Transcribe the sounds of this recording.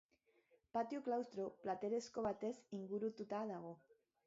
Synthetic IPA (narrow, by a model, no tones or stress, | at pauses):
pat̪juklawst̪ɾoplat̪eɾe̞sko̞βat̪e̞siŋɡuɾut̪ut̪að̞aɣ̞o̞